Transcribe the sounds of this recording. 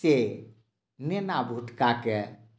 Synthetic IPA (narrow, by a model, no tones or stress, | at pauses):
e | nenabʱuʈkake